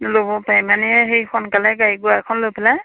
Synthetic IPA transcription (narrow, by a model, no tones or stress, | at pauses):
lobɔpajmanɛɛɦejxɔnkalɛɡaɹiɡʊaɛkʰɔnlojpʰɛla